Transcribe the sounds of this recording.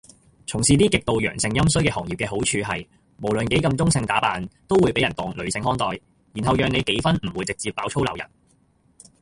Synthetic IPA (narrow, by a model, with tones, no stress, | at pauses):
t͡sʰʊ˨˩ŋsiː˨t̪iː˥kɪ˨k̚t̪o˨wjœ̰ː˨˩ŋsɪ˧ŋjɐ˥msɵ˥jkɛː˧hɔː˨˩ŋjiː˨pkɛː˧ɦo˨˥wt͡ʃʰyː˨˧ɦɐ˨j | mo˨˩wlɵ˨nke˨˥jkɐ˧mt͡sʊ˥ŋsɪ˧ŋt̪aː˨˥paː˨nt̪o˥wuː˨˧jpe˨˥jɐ˨˩nt̪ɔː˨ŋlɵ˨˧ɥsɪ˧ŋhɔː˥ŋt̪ɔː˨j | jiː˨˩nɦɐ˨wjœː˨ŋne˨˧jke˨˥jfɐ˥nm̩˨˩wuː˨˧jt͡sɪ˨k̚t͡siː˨pːaː˨˥wt͡ʃʰo˥wlɐ˨wjɐ̰˨˩n